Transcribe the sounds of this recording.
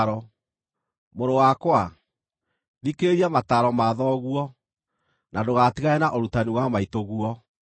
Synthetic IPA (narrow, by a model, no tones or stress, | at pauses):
ɾɔ | moɾowakwa | ðikeɾiamataɾɔmaðɔɣuɔ | nadoɣatiɣaɛnaʔoɾutaniwamaitoɣuɔ